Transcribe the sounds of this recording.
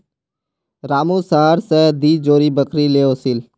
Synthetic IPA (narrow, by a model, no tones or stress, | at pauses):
ɾaːmuːsaɦəɾsɛd̪iːd͡ʒoːɾiːbəkɾiːleːoːsil